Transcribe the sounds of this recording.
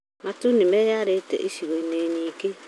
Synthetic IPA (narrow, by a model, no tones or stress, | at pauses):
matunimɛjaɾetɛ̰ʔisiɣoineːɲike